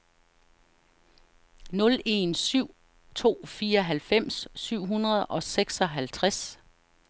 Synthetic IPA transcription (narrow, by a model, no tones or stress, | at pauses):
nɔ̽le̝nsyʊ̰ | t͡sʰo̝̰ːfiːɒɦælfem̰sːyʊ̰ɦunʁɐð̞̩ˠʔɒ̽seɡ̥sɒ̽ɦælt͡sʰʁas